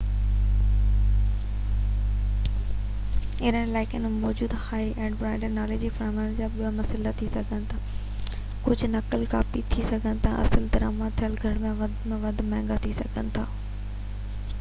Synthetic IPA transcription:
ɪnənɪlaːɪkjənmɔːd͡ʑuːd̪haːiʔɛ̃ːɳɖbɾaːɪɳɖəɾnaːleːd͡ʑifaɾmand͡ʑaːɓijamɐsɪlat̪ʰisɐɡʱənɪ̆t̪ʰaː | kʊd͡ʑʱʊnɐkəlka̰ːfit̪ʰisɐɡʱənɪ̆t̪ʰa̰ʔɐ̰səld̪ɐɾa̰ːmat̪ʰijəlɡʱɐɽmẽʋɐd̪mẽʋɐd̪ʱmɛ̃ːŋɡat̪ʰisɐɡʱənɪ̆t̪ʰaː

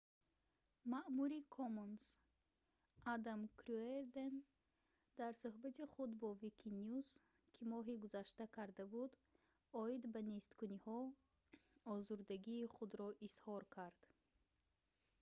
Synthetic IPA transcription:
maʔmuɾikʰomons | ad̪amkʰɾueɾd̪en | d̪aɾsuɦbat̪ʰiχud̪bɔvikʰinjus | kʰimɔɦiɡuzaʃt̪akʰaɾd̪abud̪ | ɔid̪banest̪kunihɔ | ɔzuɾd̪aɡiːχud̪ɾɔʔishɔɾkʰaɾd̪̥

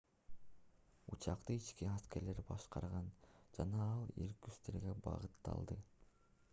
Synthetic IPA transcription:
ut͡ʃɑqt̪ɯit͡ʃkiɑske̞ɾle̞ɾbɑʃqɑɾʁɑnd͡ʒɑnɑɑlˠḭɾkyst̪eɾɡe̞bɑ̰ʁɯt̪ːɑ̰lˠd̪ɯ

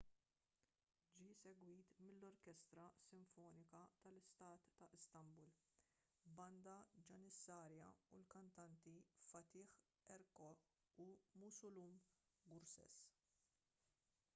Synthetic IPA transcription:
d͡ʒiːsɛɡwiːt̪mɪlːɔɾkɛst̪ɾɐsɪɱfɔːnɪkɐt̪ɐlɪst̪ɐːt̪ːɐʔɪst̪ɐmbul | bɐnd̪ɐd͡ʒɐnɪsːɐːɾjɐ̰ulkɐnt̪ɐnt̪ifɐt̪ɪːħ | ɛɾkɔ | umʊsʊlum | ɡʊɾsɛ̰s

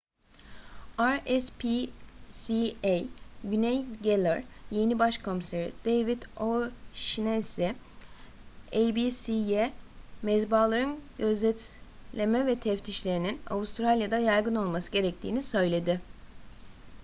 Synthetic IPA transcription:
aɾɛspʰisiejɟynɛjɟelʲˠɛɾje̞nibaʃkʰomseɾḭd̪̥ejvit̪oʃinɛsɪ | ejbisijemɛzbaːlˠaɾɯnɟø̞zlʲɛt̪lʲe̞mɛvɛt̪ʰɛft̪ʰiʃlʲe̞ɾinina̰vust̪ʰɾalʲjad̪ajaɾɡɯno̞lˠmasɯɟe̞ɾɛc̚t̪ʰḭːnisø̞jlʲe̞d̪ɪ

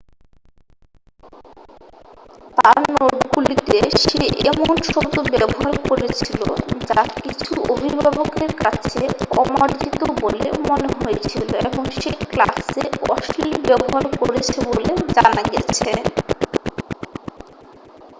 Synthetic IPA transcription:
t̪aɾnoʈɡulit̪eʃeʔemonʃod̪obɛboɦaɾkoɾet͡ɕʰilo̰d͡ʑakit͡ɕʰuobʱibʱabokeɾkat͡ɕʰeɔmaɾd͡ʑit̪obolḛmoneɦojet͡ɕʰiloeboŋʃekla̰seɔ̰ʃʈilibɛboɦaɾkoɾet͡ɕʰeboled͡ʑanaɡɛ̰t͡ɕʰe

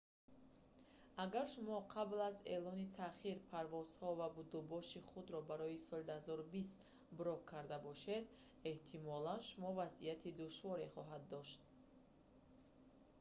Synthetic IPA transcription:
aɡaɾʃumɔqʰablazḛlɔnit̪ʰaχiɾpʰaɾvɔz̥hɔvabud̪ubɔʃiχud̪ɾɔbaɾɔisɔld̪uhazɔɾubist̪ | buɾɔkkʰːaɾd̪abɔʃed̪ | eht̪ʰimɔlanʃumɔvazḭjat̪ʰid̪uʃvɔɾeχɔɦad̪ːɔʃt̪

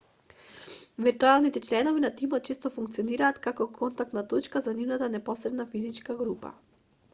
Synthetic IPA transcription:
vɛɾt̪ualˠnit̪ɛt͡ʃlɛnɔvinat̪imɔt̪̚t͡ʃist̪ɔfuŋk̚t̪siɔniɾaːt̪kakɔkʰɔnt̪ak̚t̪nat̪ɔt͡ʃkazanivnat̪anɛpɔsɾɛd̪nafizit͡ʃkaɡɾupa̰

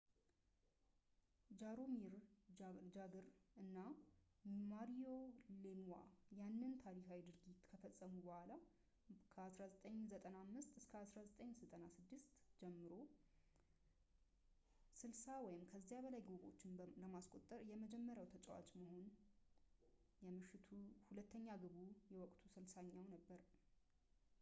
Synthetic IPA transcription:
d͡ʒaɾomiɾ | d͡ʒaɡɨɾɨnːa | maɾijolemwa̰janːɨnt̪ʰaɾikawid̪ɨɾɡit̪kʰəfəsʼːəmubəhʷala | kʰəasɾazət̪ʼəɲːzət̪ʼənamːɨst̪ɨskʰəasɾazət̪ʼəɲːsɨt̪ʼənasɨd̪ːɨst̪d͡ʒɛmːɨɾo̞ | sɨlsawɔjɪmkʰəzːijaβəlajɡoɡo̞̰t͡ʃːɪnləmaskʼo̞t̪ʼːəɾjɛməd͡ʒɛmːəɾjawt̪ʰət͡ʃʼɛ̰wa̰t͡ʃʼməho̞n | jɛmɨʃːɪt̪ʰuhulət̪ʰːəɲːaɡɨβujɛwɔkʼt̪ʰusɨlsaɲːawnəbːəɾ

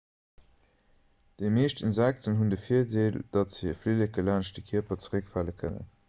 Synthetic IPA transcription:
d̥emeːʃtənzæk̚tʰənɦundəfiːɐdeːld̥ɑtz̥iəfleləɡəlaːnʃdəkʰiɐpɐt͡səʁəkfæːləkʰənə̰n

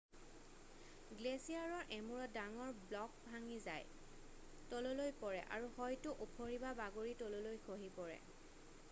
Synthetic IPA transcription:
ɡlesijaɹɔɹʔemuɹɔdaŋɔɹblɔk̚bʱaŋiza̰j | tɔlolojpɔɹɛ̰ʔa̰ɹuhɔjtuʔupʰoɹibabaɡoɹitololojkʰoɦipɔɹɛ̰

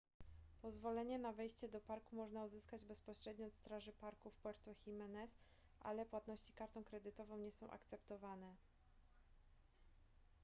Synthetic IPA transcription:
pɔzvɔlɛɲɛnavɛjɕt͡ɕɛd̪ɔpaɾkumɔʐnauzɘskad͡ʑbɛspɔɕɾɛd̪ɲɔːt̪st̪ɾaʐɘpaɾkufpwɛɾt̪uxʲimɛnɛs | ʔa̰lɛpwat̪nɔɕt͡ɕi̥kaɾt̪ɔ̃w̃kɾɛd̪ɘt̪ɔvɔ̃w̃ɲɛsɔ̃w̃ʔa̰kt̪sɛpt̪ɔvanɛ

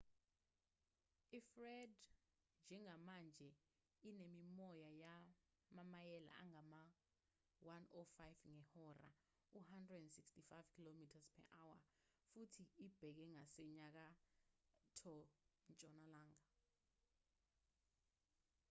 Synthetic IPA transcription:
ifrɛd | nd͡ʒʱɛŋamand͡ʒʱɛ | inemimɔjaja | mamajɛla̰a̰ŋama | wanɔfajvŋɛhɔra̰ | uhandrɛdɛndsikstifajvkʰilomitʰaspʰɛ̰ʔawa | futʰiːb̥ʱɛk̬ɛŋasɛɲak̬a | tʰɔnt͡ʃʼɔnalaːŋa

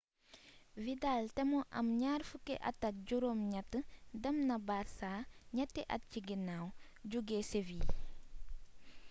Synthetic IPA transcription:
vidaltɛmɔʔɐ̰mɲaːrfukɛʔɐ̰tːɐt̚ɟuɾoːmɲɐtːədɛmnɐbaːɾsaːɲɐtːɛʔɐ̰t̚ciɡinaw | ɟuɡɛseviː

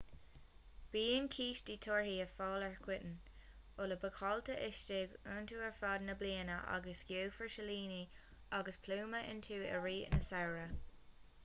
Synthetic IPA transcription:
b̥iːənkʰiːʃdiːt̪ʰoɹhiːəfɔːlɛɹkʰwɪtən̩ | ʊləbəkʰɑltəʔɪʃtɪɡəːntʰuːɛɹfɑːd̪nəbliːənəʔa̰ɡəsɡjoːfəɹʃəliːni | aɡəspʰluːməʔɪ̰nt̪ʰuːə̰ɹiːɪ̰nəsawɹə

